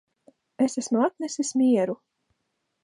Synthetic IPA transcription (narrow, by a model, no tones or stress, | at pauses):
esæsmuat̪nesismiɛɾu